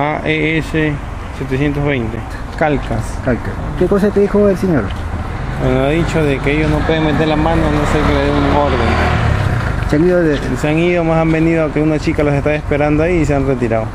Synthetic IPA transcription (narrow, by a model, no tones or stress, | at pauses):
aʔeese | sjet̪esjent̪oɦβejnt̪e | kalkaskalkaskekosat̪eðixoelseɲoɾ | aaðit͡ʃoðekeejosnopweðeŋmet̪eɾlamãnonosekeleðeuŋoɾɣano | seaŋiðoeseaŋiðomasambend̪iðoakeunat͡ʃikalasest̪aespeɾand̪oaiːs̬eanret̪iɾaðo